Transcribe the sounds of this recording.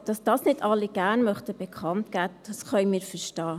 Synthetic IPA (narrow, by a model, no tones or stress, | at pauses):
d̥ɑsd̥ɑːsnɪdɑlːiɡ̥æːnmœχtəb̥ɛkʰχɑntkæːd̥ɑsχœʏmiːɾfəʃtɑː